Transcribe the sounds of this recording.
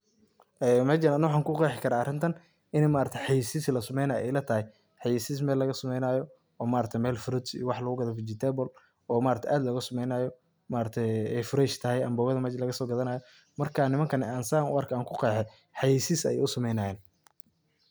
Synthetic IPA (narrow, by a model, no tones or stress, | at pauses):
ʔɛmɛt͡ʃnɐnːɐwɑħɑːŋkʰʊqɛːħɪkʰɐɾaːɐrɪnt̪ʰɐn | ɪnɛmaːɾɐt̪ʰɛjħɑjiːsislɐsɐmɛjnaːjʔɛ̰jlɐt̪ʰɐɦɛj | ħɑjiːsiːs̬mɛːlːɐɣɐsɐmɛjnaːjɔ | ɔːmaːɾɐt̪ʰɛjmɛːlfɾʊd̪sḭjɔwɑħlɐɣʊɡɐðɐbɪt͡ʃɪt̪ʰɛːbɔl | ɔːmaːɾɐt̪ʰjʔaːd̪lɐɣʊsɐmɛjnaːjɔ | maːɾɐt̪ʰɛjɛjfʊɾɛʃt̪ʰɐɦɛjɐmbɔːwɐðɐmɛːt͡ʃlɐɣɐsɔːɡɐðɐnaːjɔ | mɐrkʰaːnɪmɐŋkʰɐnɛaːnsaːŋʊ̰ɐrkʰaːŋkʰʊqɛːħɛ | ħɑjiːsiːsɛ̰j̰ʊsɐmɛjnaːjɛːn